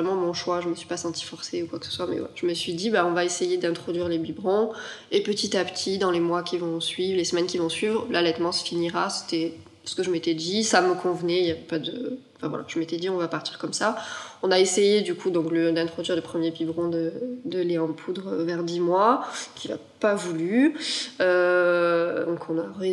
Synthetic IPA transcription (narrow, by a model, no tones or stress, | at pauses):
ʁɛmɑ̃mɔ̃ʃwaʒəməsɥi̥pasɑ̃t̪i̥fɔʁseukwaksə̥swamɛ̰wɛ̰ʒ̥əməsɥid̪ibaɔ̃vaesejed̪ɛ̃t̪χɔd̪ɥiʁlebibʁɔ̃ | epət̪it̪apt̪ʰid̪ɑ̃lemwakʲivɔ̃sɥivlesəmɛnkʲivɔ̃sɥivʁlalɛt̪mɑ̃sə̥finiʁase̥t̪ɛ | sə̥kəʒəmet̪ɛd̪isaməkɔ̃vənɛiljavɛpad̪əɑ̃fɛ̃vwa̰la̰ʒ̥əmet̪ɛd̪iɔ̃vapaʁt̪i̥ʁkɔmsaɔ̃naesejed̪ykʰud̪ɔ̃kləd̪ɛ̃t̪χɔd̪ɥiʁləpχəmjebibʁɔ̃d̪əd̪əleɑ̃pʰud̪ʁəvɛʁd̪imwakʲʰila̰ | pavuly | ø | d̪ɔ̃kʰɔ̃naʁe